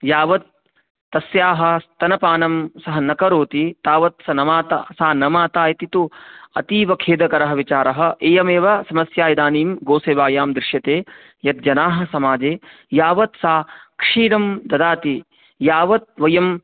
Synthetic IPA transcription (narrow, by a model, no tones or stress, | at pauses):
jaːʋɐt̪̚ː | ɐsjaːɦɐ̆t̪ːɐnɐpaːnɐmsɐɦɐnɐkɐɾoːt̪it̪aːʋɐt̪sɐnɐmaːt̪asaːnɐmaːt̪aːjɐt̪it̪uɐ̰t̪iːʋɐkʰeːd̪ɐkɐɾɐɦɐʋit͡ʃaːɾɐɦɐ̆ʔeːjɐmeːʋɐsɐmɐsjaːjɐd̪aːniːmɡoːseːʋaːjaːmd̪ɾɪʂjɐt̪eː | jɐt̪̚d͡ʒɐnaːɦɐ̆sɐmaːd͡ʒeː | jaːʋɐt̪saːkʂiːɾɐmd̪ɐd̪aːt̪i | jaːʋɐt̪̚ʋɐjɐm